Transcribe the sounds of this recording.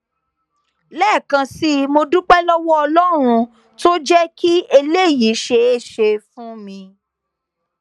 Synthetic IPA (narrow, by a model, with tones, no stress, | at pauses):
lɛː˦˨kã˧si˦mo˧du˦k͡pɛ˦lɔ˦wɔ˦ɔ˧lɔ˦ɾ̃ũ˧ | to˦d͡ʒɛ˦ki˦e˧le˦˨ji˨˦ʃe˧e˦ʃe˧fũ˦mĩ˧